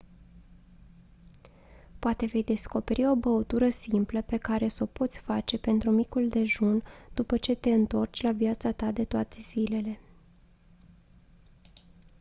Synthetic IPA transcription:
poat̪e̞ve̞jd̪e̞sko̞pe̞ɾʔio̞bəut̪uɾəsimpləpe̞kaɾe̞so̞po̞t̪sʲfat͡ʃe̞pe̞nt̪ɾumikuld̪e̞ʒund̪̥upət͡ʃe̞t̪e̞ɨnt̪o̞rt͡ʃʲlavijat̪sat̪ad̪e̞t̪oat̪e̞z̥ile̞le̞

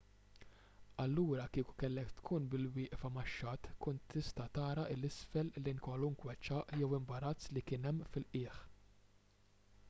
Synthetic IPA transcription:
ɐlːuːɾɐkiːku̥kɛlːɛkt̪kʰuːnbɪlwɪːʔfɐmɐʃːɐt̪kʊnt̪ːɪst̪ɐt̪ɐːɾɐʔɪlːɪsfɛlːinkwɐluŋkwɛt͡ʃːɐːʔjɛwɪmbɐɾɐt͡sːlikɪːnɛmːfɪlʔɪːħ

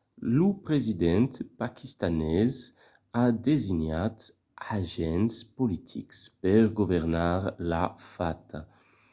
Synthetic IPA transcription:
lupɾezid̪ɛnt̪pakʰist̪anɛz | ad̪ezinat̪ | aʒɛnspolit̪ʰḭkspɛɾɡuvɛɾnaɾlafat̪ʰa

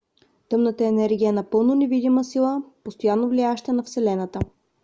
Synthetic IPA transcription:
t̪ɤmnət̪əɛnɛɾɡʲijənɐpɤlˠnonɛvid̪iməsilˠəpost̪ojanːovliaɛʃt̪ənɐfsɛlɛnət̪ə

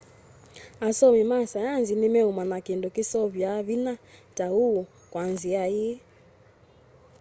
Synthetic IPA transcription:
asɔmimasajanzinimɛumanakindɔkisɔβjaβinatauu | kwanziai

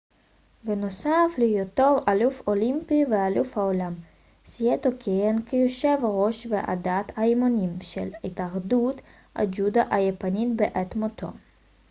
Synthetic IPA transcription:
benosaflijot̪o̞valufolimpivealufhaolam | siet̪okʰeenkʰejoʃevaʁo̞ʃveʔa̰dat̪haimonimʃḛlhit̪aχdut̪ | a̰d͡ʒud̪aʔajepanitbeʔet̪mot̪ʰo̰

